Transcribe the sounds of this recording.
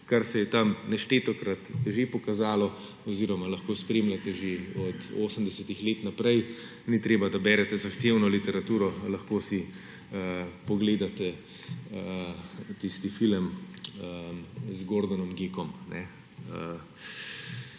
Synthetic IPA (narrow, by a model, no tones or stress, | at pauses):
kaɾsɛjɛt̪amnɛʃt̪eːt̪ɔkɾat̪ʒepɔkazaːlɔ | ɔziːɾɔmalɐxkoːspɾeːmlat̪ɛʒeɔt̪oːsəmd̪ɛsɛt̪ixleːt̪napɾɛj | nit̪ɾeːbad̪abɛɾɛt̪ɛzaxt̪eːwnɔlit̪ɛɾat̪uːɾɔlɐxkoːsi | əpɔɡleːd̪at̪ɛ | ət̪ist̪ifiləm | əzɡoɾd̪ɔnɔmɡeːkɔmnɛ | ə